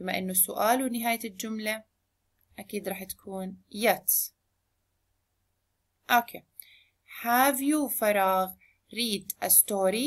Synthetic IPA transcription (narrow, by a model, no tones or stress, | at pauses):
ɪmːaʔɪnːʊsːʊʔaːlwɪnɪɦaːjald͡ʒʊmla | ʔakiːd̪ɾɑːħt̪ḁkʰuːnjat̪ | ʔokʰeː | ħaːvjufɑɾˤɑːɣ | ɾiːd̪ʔa̰st̪oːɾi